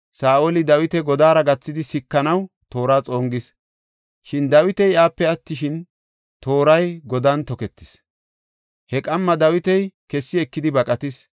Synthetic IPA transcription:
saːʔolɪd̪ɐwɪt̪ɛɡɔd̪aːɾɐɡɐt͡sːɪd̪ɪsɪkːɐnɐw | t̪o̞ːɾaːt͡sʼo̞ːŋɡɪs | ʃɪnd̪ɐwɪt̪ɛjaːpːɛɐt̪ːɪʃɪn | t̪o̞ːɾɐjɡɔd̪ɐnt̪ɔkɛt̪ːɪ̥s | hɛkʼɐmːɐd̪ɐwɪt̪ɛjkɛsːɪɛkːɪd̪ɪbɐkʼɐt̪ɪs

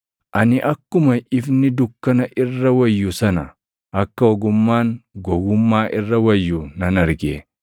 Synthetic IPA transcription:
ʔɐnɪʔɐkːʊmɐʔɪfnɪd̪ʊkːɐnɐʔɪrːɐwɐjːʊsɐnɐ | ʔɐkːɐɔɡʊmːaːŋɡɔɡʊmːaːʔɪrːɐwɐjːunɐnɐɾɡe

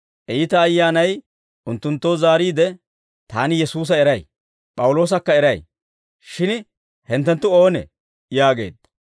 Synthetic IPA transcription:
ʔɛjɪt̪ɐːjːaːnɐj | ʔʊnt̪ːʊnt̪ːo̞ːzaːɾiːd̪ɛ | t̪aːnɪjɛsuːs̬ɐɛɾɐj | pʼɐwʊlo̞ːs̬ɐkːɐɛɾɐj | ʃɪn | hɛnt̪ːɛnt̪ːʊo̞ːnɛ̰ | jaːɡe̞̰ːd̪ːɐ̥

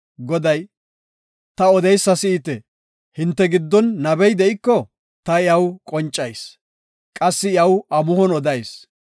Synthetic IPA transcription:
ɡɔd̪ɐj | t̪ɐɔd̪ɛjsːɐsɪɪt̪ɛ | hɪnt̪ːɛɡɪd̪ːɔnːɐbɛjd̪ɛʔɪkːɔ | t̪ɐjɐwkʼɔnt͡ʃʼːɐjs | kʼɐsːɪɐwɐmʊhɔnɔd̪ɐjs

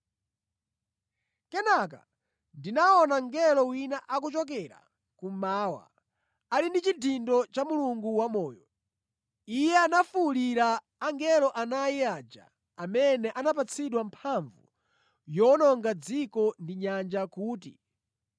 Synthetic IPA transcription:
kɛnaka̰ | ndinaɔnaŋɡɛlɔwinaʔak̬ut͡ʃɔk̬ɛɾa̰ | kumaːwa̰ | alindit͡ʃidindɔt͡ʃamuluŋɡuwamɔːjɔ | ijɛanafuliɾaː | ŋɡɛlɔʔanaiad͡ʒa̰ | amɛnɛʔanap̬at͡sʰiɗwampʰaɱvṵ | jɔnɔŋɡad͡zikɔndiɲand͡ʒakuːtḭ

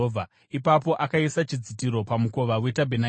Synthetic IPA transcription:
ovʱa | ipapo̞ʔakaisat͡ʃid͡zitiɾo̞pamuko̞ʋawetabʱena

